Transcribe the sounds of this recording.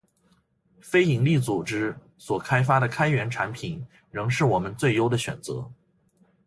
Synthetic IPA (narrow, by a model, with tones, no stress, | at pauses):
fe˥ɪi˨˩ŋli˥˩t͡su˨˩ʈ͡ʂɻ̩˥ | swɔ˨˩kʰa˥ɪfa˥ɾə˨kʰa˥ɪɥɛ˧˥nʈ͡ʂʰa˧˥npʰi˨˩˦n | ɻɤ˧˥ŋʂ̬ɻ̩˥˩wɔ˨˩mə˦nt͡swe˥˩ɪjo˥ʊd̪ə˨ɕɥɛ̰˨˩nt͡sɤ̰˧˥